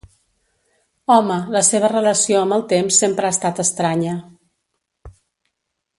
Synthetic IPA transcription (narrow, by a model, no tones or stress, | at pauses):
ɔmələseβ̞ərələsioəmbəlˠt̪emsːempɾəaːst̪at̪əst̪ɾaɲə